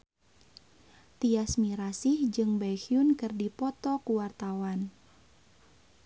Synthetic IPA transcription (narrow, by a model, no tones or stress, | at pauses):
t̪iasmiɾasihd͡ʒɨŋbajxiunkɨrdipɔt̪ɔkuwart̪awan